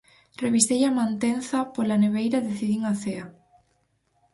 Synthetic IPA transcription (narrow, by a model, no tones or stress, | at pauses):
reβist̪ejamãnt̪enθɐpolaneβ̞ejɾaðeθiðiŋaθea